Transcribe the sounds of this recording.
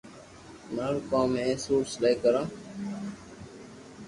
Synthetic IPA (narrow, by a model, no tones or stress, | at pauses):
naɾkãːmẽːsuːɾsleːkəɾãː